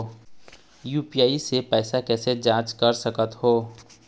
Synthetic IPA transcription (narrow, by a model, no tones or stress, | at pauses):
juːpijaːisepɛːsakɛːsed͡ʒãːt͡ʃkɐɾsɐkət̪ɦoː